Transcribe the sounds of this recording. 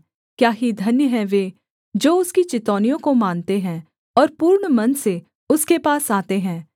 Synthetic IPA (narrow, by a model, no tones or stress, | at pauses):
kjaːɦid̪ʱɐnjəɦɛ̃ʋeː | d͡ʒoːʊskit͡ʃɪt̪ɔːnijõkomaːnt̪eɦɛ̃ | ɔːɾpuːɾɳmɐnse | ʊskepaːsaːt̪eɦɛ̃ː